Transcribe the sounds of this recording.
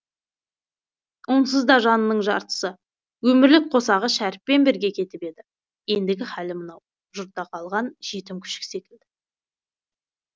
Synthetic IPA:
wons̬əzd̪ɑʒɑnənəɴʒɑ̰ɾt̪ə̥sə | wɵmɪɾlɪk̚qʰo̞sɑʁəʃæɾɪpːe̞nbeɾɡʲe̞kʲʰe̞t̪ɪpe̞d̪ɪ | je̞nd̪ɪɡʲɪχælɪmənɑw | ʒʊɾt̪ːɑqʰɑlˠʁɑnʒ̥e̞t̪ɪmkʲʰʏ̥ʃɪ̥kʲse̞kʲɪld̪ɪ

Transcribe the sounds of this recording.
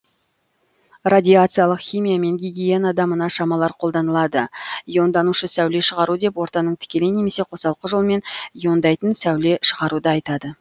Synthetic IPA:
radʲijat̪sɨjalˠəqχʲijmʲijame̞ŋɡʲiɡʲijenɑd̪ɑmənɑʃɑmɑlˠɑɾqʰo̞lˠd̪ɑnəlˠɑd̪əjo̞nd̪ɑnuʃəsæwle̞ʃəʁɑɾud̪e̞pwo̞ɾt̪ɑnəɴt̪ʰɪ̥kʲe̞lene̞me̞se̞qʰo̞sɑlˠqəʒo̞lˠme̞njo̞nd̪ɑjt̪ənsæwle̞ʃəʁɑɾud̪əɑjt̪ɑd̪ə

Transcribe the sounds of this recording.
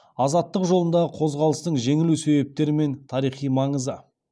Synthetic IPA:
ɑzɑt̪ːəqʒo̞lˠənd̪ɑʁəqʰo̞zʁɑlˠəst̪əɴʒe̞ŋɪluse̞βe̞p̚t̪e̞ɾɪme̞nt̪ʰɑɾijχijmɑɴəzə

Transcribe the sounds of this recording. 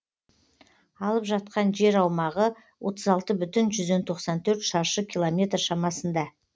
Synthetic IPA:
ɑlˠəpʒɑt̪̚qɑnʒe̞ɾɑwmɑʁə | wʔo̞t̪ʰəzɑlˠt̪əbʏt̪ɪnʒʏzd̪e̞nt̪ʰo̞qsɑnt̪ʰɵɾt̪ʃɑʃəkʲʰilˠo̞mʲe̞t̪rʃɑmɑsənd̪ɑ

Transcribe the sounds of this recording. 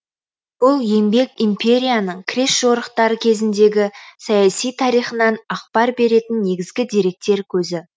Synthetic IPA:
b̥ʊlˠje̞mbe̞kʲimpʰʲe̞ɾʲijanəɴkʰʲɾesʒo̞ɾəqt̪ɑɾəkʲʰe̞zɪnd̪e̞ɡʲɪsɑjasijt̪ʰɑɾijχənɑnɑq̚pɑɾbe̞ɾe̞t̪ɪnːe̞ɡʲɪzɡʲɪd̪e̞ɾe̞k̚t̪e̞ɾkʲʰɵzɪ

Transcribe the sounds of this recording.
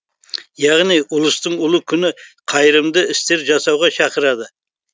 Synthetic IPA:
jɑʁnijʊlˠəst̪əɴʊlˠəkʲʰʏnɪqʰɑjɾəmd̪əɪst̪e̞ɾʒɑsɑwʁɑʃɑqəɾɑd̪ə

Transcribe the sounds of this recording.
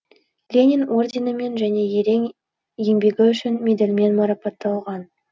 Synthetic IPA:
lʲenʲino̞rd̪ʲenəme̞nʒæne̞je̞ɾe̞ŋ | jembe̞ɡʲɪʏʃɪnmʲed̪elʲme̞nmɑɾɑpɑt̪ːɑlˠʁɑn

